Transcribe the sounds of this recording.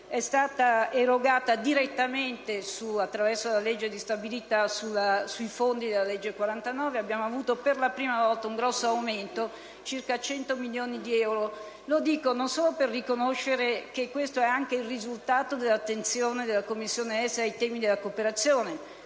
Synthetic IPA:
ɛst̪aːt̪aeɾoɡaːt̪ad̪iɾet̪ːament̪esuat̪ːɾavɛrsolaled͡ʒːed̪ist̪abilit̪asulasuifond̪id̪elːalɛd͡ʒːekwaɾant̪anɔːveabːjaːmoavuːt̪operlapɾiːmavɔlt̪auŋɡɾɔsːoawment̪o | t͡ʃirkat͡ʃɛnt̪omiljoːnid̪iɛwɾo | lod̪iːkononsoːloperːikonoʃːeɾek̟ekːwest̪oɛaŋk̟eilrizult̪aːt̪od̪elːat̪ːent̪sjoːned̪elːakomːisːjoːneɛsajt̪ɛːmid̪elːakopeɾat̪sːjoːne

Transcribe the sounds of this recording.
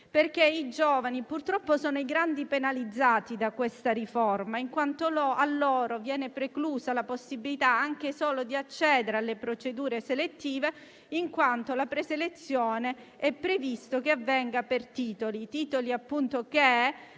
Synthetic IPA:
perk̟eid͡ʒoːvanipurt̪ɾɔpːosoːnoiɡɾand̪ipenalid̪zːaːt̪id̪akwest̪aɾiformaiŋkwant̪oloalːoːɾovjɛːnepɾekluːzalaposːibilit̪aaŋk̟esoːlod̪iat͡ʃːɛːd̪eɾealːepɾot͡ʃed̪uːɾeselet̪ːiːve | iŋkwant̪olapɾeselet̪sːjoːne | ɛpːɾevist̪okeavːɛŋɡapert̪iːt̪olit̪iːt̪oliapːunt̪ok̟e

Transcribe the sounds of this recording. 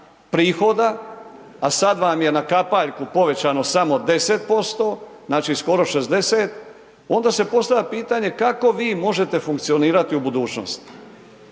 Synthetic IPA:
pɾiːxo̞d̪aː | sad̪ʋamje̞nakapaʎkupo̞ʋe̞t͡ɕaːno̞samo̞d̪e̞set̪̚po̞st̪o̞ːznaːt͡ʃisko̞ɾo̞ʃe̞zd̪e̞seːt̪ | o̞nd̪aːse̞po̞st̪ajʲapiːt̪aɲe̞kako̞ʋiːmo̞ʒe̞t̪e̞fuŋkt̪sio̞niːɾat̪iubud̪uːt͡ʃno̞̰st̪

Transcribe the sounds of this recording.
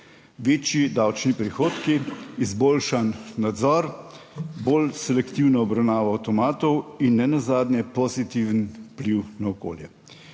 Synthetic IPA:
ʋeːt͡ʃjid̪awt͡ʃnipɾixoːt̪kiːzboːlʃanːad̪zɔɾ | boːlsɛlɛkt̪iwnɔɔbɾawnaːʋaːwt̪ɔmaːt̪ɔwinːɛnazaːd̪nʲjɛpɔzit̪iʋənpliwnaɔko̰ːljɛ

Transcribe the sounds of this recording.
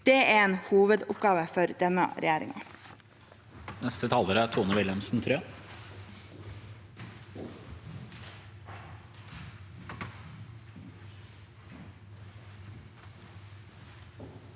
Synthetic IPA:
d̪̥eːæeːnhuːʋəd̪ʊp̚ɡɑːʋəfɔɾd̪ɛnɑ̰ɾɛjæːɾɪ̰ŋɑ̰ | nɛst̪ət̪ʰɑːləɾəæːt̪ʰuːnəʋɪlɛmsn̩t̪ʰɾøː

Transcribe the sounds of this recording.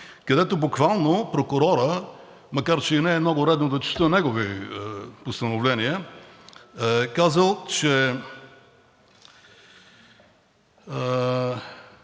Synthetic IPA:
kɐd̪ɛt̪obʊkvalˠnopɾokʊɾɔɾə | mɐkaɾt͡ʃɛinɛːmnɔɡʊɾɛd̪nod̪ɐt͡ʃɛ̥st̪ənɛɡovi | post̪ɐnovlɛniə | kazəlˠt͡ʃɛ

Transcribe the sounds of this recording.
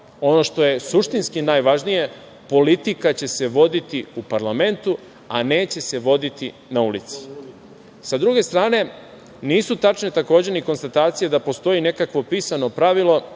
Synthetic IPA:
o̞no̞ʃt̪o̞je̞suʃt̪inskinaːjʋaʒnija | po̞lit̪ikat͡ɕe̞se̞ʋo̞d̪it̪iupaɾlame̞nt̪u | a̰ne̞ːt͡ɕe̞se̞ʋo̞d̪it̪i | naulit̪si̥ | sad̪ɾuɡe̞st̪ɾaːne̞ | niːsut̪at͡ʃne̞t̪ako̞ːd͡ʑe̞niko̞nst̪at̪aːt̪sijed̪apo̞st̪o̞jine̞kakʋo̞piːsano̞pɾaʋilo̞

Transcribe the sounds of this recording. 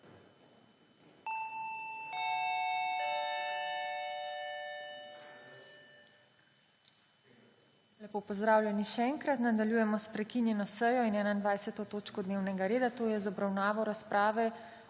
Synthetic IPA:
lɛpoːpɔzd̪ɾaːwlʲjɛniʃɛɛːŋkɾat̪nad̪aljuːjɛmɔspɾɛkinjɛnɔsəjɔinɛːnaind̪ʋajsɛt̪ɔt̪oːt͡ʃkɔd̪neːwnɛɡaɾeːd̪at̪oːjɛzɔbɾawnaːʋɔɾaspɾaːʋɛ

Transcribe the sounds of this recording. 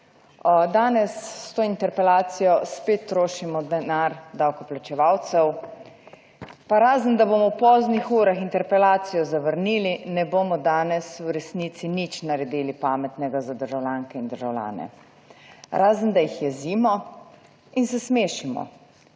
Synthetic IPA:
d̪aːnɛsːt̪oːint̪ɛɾpɛlaːt̪sijɔspeːt̪ːɾoːʃimɔd̪ɛnaɾd̪awkɔplat͡ʃɛʋawt̪sɛw | paɾaːzənd̪aboːmɔwpɔːznixuːɾaxint̪ɛɾpɛlaːt̪sijɔzaʋəɾniːlinɛboːmɔd̪aːnɛswɾɛsniːt̪sinit͡ʃnaɾɛd̪iːlipaːmɛt̪nɛɡazad̪əɾʒawlʲjaŋkɛind̪əɾʒawlja̰ːnɛ̰ | ɾaːzənd̪ajixjɛziːmɔ | insɛsmeːʃimɔ̰

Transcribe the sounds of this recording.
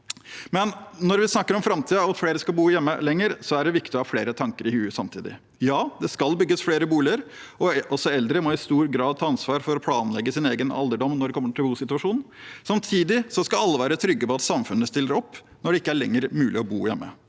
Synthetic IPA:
mɛnːɔɾʋɪsnɑkːəɾɔmfɾɑmt̪ʰiːəɔɑt̪fleːɾəskɑlbuːjɛmːə̰lɛŋːəɾsɔæɖɛʋɪkt̪ɪɑfleːɾət̪ʰɑŋkəɾɪhʉːsɑmt̪ʰḭːd̪ɪ̰ | jɑːd̪ɛskɑlbʏɡːəsfleːɾəbuːlɪəɾ | ɔɔsɔɛld̪ɾəmɔɪst̪uːɾɡɾɑːd̪̚t̪ʰɑːɑnsʋɑːɾfɔɾɔpʰlɑːnlɛɡːəsɪneːɡənɑ̰ld̪əɖɔmnɔɖɛkʰɔmːəʈʰɪlbuːsɪt̪ʉɑʂuːnn̩sɑmt̪ʰiːd̪ɪsɔskɑlɑlːəʋæːɾət̪ʰɾʏɡːəpɔɑt̪sɑmfʉnːəst̪ɪlːəɾɔpː | nɔɖɛɪkːəæɭɛŋːəɾmʉːlɪɔbuːjɛ̰mːə̰

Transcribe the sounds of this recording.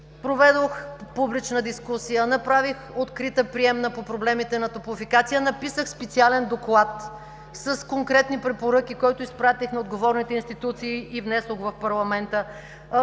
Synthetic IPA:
pɾovɛd̪oxpublit͡ʃnəd̪iskusijənɐpɾavixot̪kɾit̪əpɾiɛmnəpopɾoblɛmit̪ɛnɐt̪opʊfikat̪sijənɐpisəxspɛt̪sialɛnd̪oklˠat̪ | səskoŋkɾɛt̪nipɾɛpoɾɤk̟ikɔjt̪ʊispɾat̪ixnɐod̪ɡovɔɾnit̪ɛinst̪it̪ut̪siːʔivnɛsoxvɐfpɐɾlˠɐmɛnt̪ə

